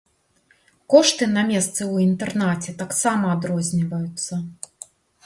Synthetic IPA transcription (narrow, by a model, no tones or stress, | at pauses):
kɔʂt̪ɨnɐmʲɛst̪sɨwint̪ɛrnat͡sʲɛt̪aksamɐːd̪ɾɔzʲnʲivɐjut̪sːɐ